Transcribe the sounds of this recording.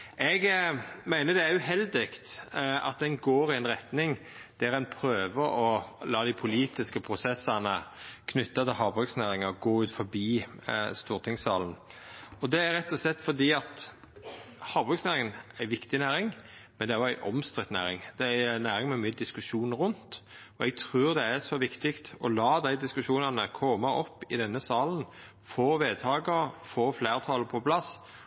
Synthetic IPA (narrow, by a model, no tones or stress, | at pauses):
ɛɡmæɪnəd̪ɛæɾjʉhɛld̪ɪkt̪ɑ̰t̪̚d̪ɛnɡoːɾɪɛnʁɛt̪nɪŋ | d̪̥æɾɛnpʰɾøːʋəɔlɑːd̪ɪpʰʊliːt̪ɪskəpʰɾʊsɛsɑnəkʰnʏt̪ːɑt̪ʰɪlɦɑːbɔksnæːɾɪŋɑɡoːʉːt̪fɔɾbiːst̪uːɾt̪ʰɪŋsɑːln̩ɔd̪ɛæɾɛt̪ːɔslɛt̪ːfɔd̪iːɑt̪ | hɑːbɔksnæːɾɪŋənæʋɪkt̪ɪnæːɾɪŋmɛnd̪ɛæɾjɔæɪʔɔmst̪ʁɪt̪næ̰ːɾɪ̰ŋd̪̥ɛænæːɾɪŋmɛmyːəd̪ɪskʉʂuːnɾʊnt̪ | ɔɛɡ̚t̪ʰɾʉːʁd̪ɛæʂɔʋɪkt̪ɪkt̪ɔlɑːd̪æɪd̪ɪskʉʃuːnɑnəkʰɔmɑʔɔpːɪd̪ɛnːəsɑːln̩ | foːʋeːd̪̚t̪ʰɑːɡəɾfoːfleːʁt̪ʰɑːləpʰɔpʰlɑs